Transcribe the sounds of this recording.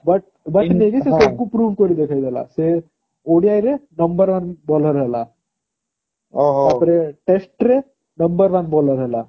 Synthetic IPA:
bɐʈ̚ | bɐneɡesesokuːpɾuːʋkoɾid̪ekʰajd̪ɐlːa̰se | oːɽijaːjiɾenɐmbɐɾʋɐnbɔːlɐɾɐla | oɦɐt̪ɾeʈesʈɾe | nɐmbɐɾʋɐnbɔːlɐɾɐla

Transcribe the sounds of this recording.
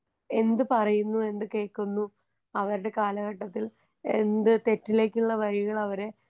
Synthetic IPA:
e̞nd̪ɨpɐrɐjunːue̞nd̪ɨke̞ːɭkunːu | ɐʋɐɾuɽe̞kaːlɐɣɐʈːɐt̪ːil | end̪ɨt̪e̞tːile̞ːkʲːuɭːɐʋɐɻiɣɐɭɐʋɐɾe

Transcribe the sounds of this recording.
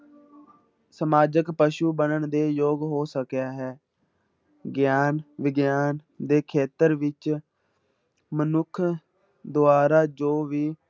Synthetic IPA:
səmaːd͡ʒəkpəʃuːbənəɳd̪eːjoːɡɦoːsəkjaːɦɛː | ɡjaːnʋɪɡjaːn | d̪eːkʰeːt̪əɾʋɪt͡ʃ | mənʊkʰ | d̪ʊaːɾaːd͡ʒoːʋiː

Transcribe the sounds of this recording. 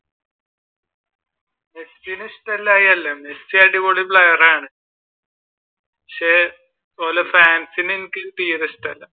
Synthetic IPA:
mesinɨsʈɐlːaːjɐlːɐmesiaɖiʋoːɽipɭɐjɐraːɳɨ | pikʂe | oːlɐfaːnsinenikʲːɨt̪iːrisʈɐlːɐ

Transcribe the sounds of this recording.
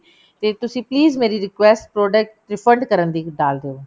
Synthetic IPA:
t̪eːt̪ʊsĩːpliːzmeːɾiɾɪkʋɛːsʈpɾoːɖək̚ʈɾɪfʰəɳɖkəɾənd̪iːɖaːlɾeoː

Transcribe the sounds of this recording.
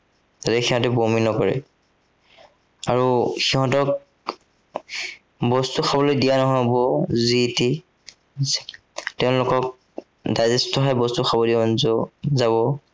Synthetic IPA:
tatɛxiɦɔ̃tɛbominɔkɔɹɛ̰ | aɹuxiɦɔ̃tɔk | bɔstuxʰabɔlojdijanɔɦobɔziti | tɛʊ̃lʊkɔk̚ | dajzɛstɔɦɔjbɔstuxʰabɔdiaɔnzɔzabɔ

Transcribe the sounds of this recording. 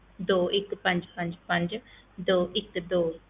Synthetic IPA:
d̪oːʔɪkpə̃ɲd͡ʒpə̃ɲd͡ʒpə̃ɲd͡ʒ | d̪oːʔɪkd̪oː

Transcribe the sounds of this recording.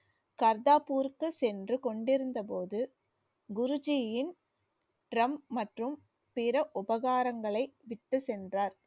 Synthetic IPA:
kɐɾðaːpuːɾkːɯsɛndrɯkɔɳɖɪɾɯnd̪ɐpoːðɯ | ɡʊɾɯd͡ʒɪjɪn | ʈɾɐmːɐʈrɯm | pɪɾɐʔʊbɐɣaːɾɐŋɡɐɭɐɪʋɪʈːɯsɛndraːɾ

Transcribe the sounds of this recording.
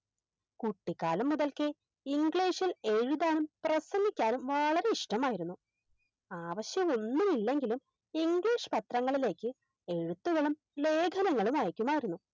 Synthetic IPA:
kuʈːikːaːlɐmːuðɐlkɨe | iŋɡɭiːʂile̞ɻuðaːnumprɐsɐŋikʲːaːnumʋɐɭɐɾe̞iʂʈɐmaːjiɾunːu | aːʋɐɕjɐmo̞nːumilːe̞ŋɡilum | iŋɡɭiːʂɨ̥pɐt̪rɐŋːɐɭile̞ːkʲːɨ | e̞ɻut̪ːuɣɐɭum | le̞ːɡʰʱɐnɐŋːɐɭumaːjɐkʲːumaːjiɾunːu

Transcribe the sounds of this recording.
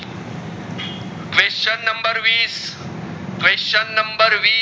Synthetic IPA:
kʋeːst͡ʃɐnːɐ̃mbəɾʋiːs | kʋeːst͡ʃɐnːɐmbəɾʋiː

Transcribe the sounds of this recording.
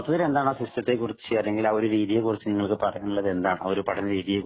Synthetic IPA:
t̪ːɐðile̞nd̪aːɳaːsistɐt̪ːe̞kːurit͡ɕːt͡ɕːɨɐːlːeŋɡilɐʋo̞ɾuɾiːðijekurit͡ɕːɨniŋːɐɭkɨpɐrɐjaːnilːɐðe̞nd̪aːɳɐ̰o̞ɾupɐʈɐnɾiːðijek

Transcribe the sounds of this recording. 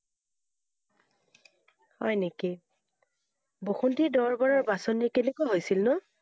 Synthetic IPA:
hɔ̰jneki | boxuntidɔɹbɔɹaɹbasonikenekojɦojsilnʊ

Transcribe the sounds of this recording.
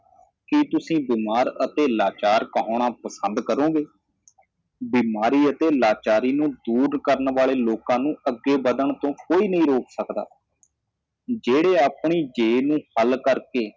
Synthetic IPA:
kit̪ʊsĩːbiːmaːɾət̪eːlaːt͡ʃaːɾkəɦõːɽ̃ãːpəsənd̪kəɾõːɡeː | biːmaːɾiːət̪eːlaːt͡ʃaːɾiːnũːd̪uːɾkəɾnʋaːleːloːkãːnũːəɡːeːbəd̪əɳt̪õːkoːiːnəĩːɾoːksəkd̪a̰ː | d͡ʒeːɽeːaːpɳiːd͡ʒeːnũːhəlkəɾkeː

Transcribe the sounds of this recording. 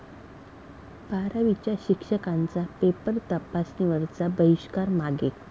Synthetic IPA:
paɾaʋit͡ɕjaɕikʂəkant͡sapepəɾt̪əpasniʋəɾt͡sabəiɕkaɾmaɡe

